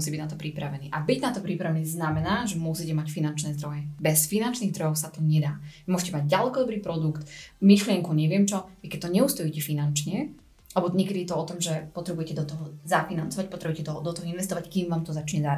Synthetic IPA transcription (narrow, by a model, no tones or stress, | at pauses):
usiːbiɟnat̪ɔpɾipɾaʋɛnḭːʔabiɟnat̪ɔpɾipɾaʋɛniːznamɛnaːʒɛmʊusicɛmacfinant͡ʃnɛːzd̪ɾɔjɛbɛsfinant͡ʃniːɣd̪ɾɔɦɔʊsat̪ɔɲɛd̪aːimʊɔʒɛcɛmaɟɟalɛkɔd̪ɔbɾiːpɾɔd̪ukt̪miʃlɪɛŋkuɲɛʋɪɛmt͡ʃɔʋikɛc̚t̪ɔɲɛust̪ɔjicɛfinant͡ʃɲɛ | lɛbɔɲɛkɛd̪ijɛt̪ɔɔt̪ɔmʒɛpɔt̪ɾɛbujɛcɛd̪ɔt̪ɔɦɔzafinant͡sɔʋac̚pɔt̪ɾɛbujɛcɛt̪ɔɦd̪ɔt̪ɔɦɔinʋɛst̪ɔʋackiːmʋaːmt̪ɔzat͡ʃɲɛzaːɾ